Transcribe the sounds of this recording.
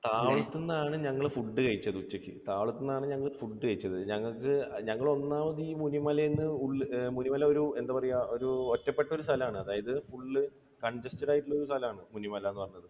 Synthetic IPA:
t̪aːʋɭɐt̪ːunːaːɳɨɲɐŋːɐɭfuɖːɨkɐɻit͡ɕːɐðɨut͡ɕːɐkːḭt̪aːʋɐɭɐt̪ːunːaːɳɨɲɐŋːɐɭfuɖːɨkɐɻit͡ɕːɐðɨɲɐŋːɐɭkːɨɲɐŋːɐɭo̞nːaːmɐðiːmunimɐlɐjenːɨuɭːmunimɐlɐo̞ɾue̞nd̪aːpɐrɐjːao̞ɾuotːɐpːe̞ʈːɐo̞ɾust̪ʰɐlɐaːɳɨɐðaːjɐðɨfuɭːɨ | kɐɳd͡ʑɐstiɽaːjiʈːiɭːo̞ɾust̪ʰɐlɐaːɳɨmunimɐlɐjenːɨpɐrɐɲːɐðɨ

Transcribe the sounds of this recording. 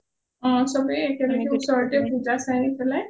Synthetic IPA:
ɔ̃sɔbɛekɛlɛkɛʊsɔɹɔtɛbʰʱuzasajnipɛlaj

